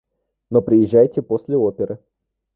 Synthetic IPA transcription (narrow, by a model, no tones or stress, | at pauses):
nopɾʲɪjɪʒːæjtʲɪposʲlʲɪopʲɪɾɨ